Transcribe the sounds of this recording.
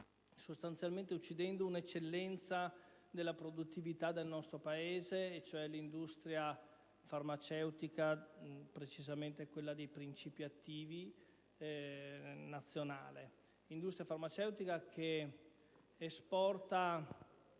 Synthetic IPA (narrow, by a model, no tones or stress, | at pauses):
sost̪ant̪sjalment̪eut͡ʃːid̪ɛnd̪ounet͡ʃːelːɛnt̪sa | d̪elːapɾod̪ut̪ːivit̪ad̪elnɔst̪ɾopaeːzeːt͡ʃːoɛlind̪ust̪ɾja | farmat͡ʃɛwt̪ikapɾet͡ʃizament̪eɛkwelːad̪ejpɾint͡ʃiːpiat̪ːiːvi | nat̪sːjona̰ːle | ind̪ust̪ɾjafarmat͡ʃɛwt̪ikakʰe | spɔrt̪a